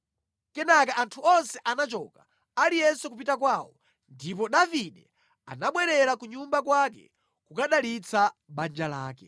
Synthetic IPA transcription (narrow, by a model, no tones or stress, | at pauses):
kɛnakaantʰuɔnsɛʔanat͡ʃɔka | alijɛsukup̬itakwaːwɔ | ndipɔɗaviɗɛ | a̰naɓwɛɾɛɾakuɲumbakwakɛ̰ | kukaɗalit͡sʰaɓand͡ʒala̰ːkɛ